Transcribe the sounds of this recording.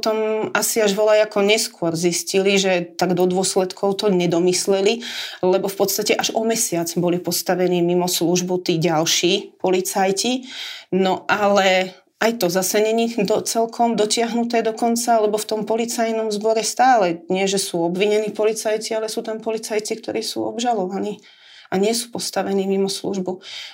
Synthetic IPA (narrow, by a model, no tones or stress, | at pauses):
pt̪ɔmasiaʒʋɔlajakɔɲɛskʊɔɾzisciliʒɛt̪aɡd̪ɔd̪ʊɔslɛt̪kʰɔʊt̪ɔɲɛd̪ɔmislɛlilɛbɔfpɔt̪st̪acɛʔaʒɔmɛsɪad͡zbɔlipɔst̪aʋɛniːmimɔsluʒbɔt̪iːɟalʃiːpɔlit͡sajcinɔʔalɛ | ʔajt̪ɔzasɛɲɛɲid̪ɔt͡sɛlkʰɔmd̪ɔcɪaɦnut̪ɛːd̪ɔkɔnt͡saalɛbɔft̪ɔmpɔlit͡sajnɔmzbɔɾɛst̪aːlɛɲɪɛʒɛsuːɔbʋiɲɛniːpɔlit͡sajt͡sialɛsuːt̪ampɔlit͡sajt͡sikt̪ɔɾiːsṵːɔ̰bʒalɔʋaniː | aɲɪɛsuːpɔst̪aʋɛniːmimɔslṵʒbu